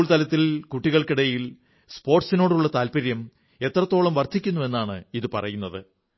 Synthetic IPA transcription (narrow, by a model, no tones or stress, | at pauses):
ɭt̪ɐlɐt̪ːilkuʈːiɣɐɭkiɽɐjil | spo̞ːrʈsino̞ːɽuɭːɐt̪aːlpɐɾjɐm | e̞t̪rɐt̪ːo̞ːɭɐmʋɐrt̪ikʲːunːue̞nːaːɳɨiðɨpɐrɐ̰junːɐðɨ